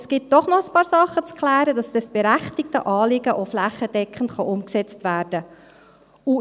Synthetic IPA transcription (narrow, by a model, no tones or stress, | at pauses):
sɡ̥ɪt̚d̥ɔχnɔχəspɑːɾsɑχːət͡skχlæːɾədɑsd̥ɑsb̥ɛɾæχtɪk̚təʔɑːlɪɡəʔoflæχːəd̥ɛkχən̩tχɑʔʊmksɛt͡stvæːɾd̥ə | u